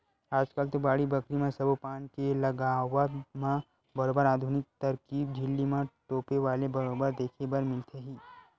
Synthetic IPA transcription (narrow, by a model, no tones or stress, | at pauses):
aːd͡ʒkalt̪obaːɽibɐkɾimẽsɐbopaːnkelɐɡaːʋəmã | bɐɾoːbəɾaːd̪ʱʊnɪk̚t̪ɐɾkiːb̚d͡ʒʱɪlːimãʈoːpeʋaːlebɐɾoːbəɾd̪eːkʰebɐɾmɪlt̪ʰeɦiː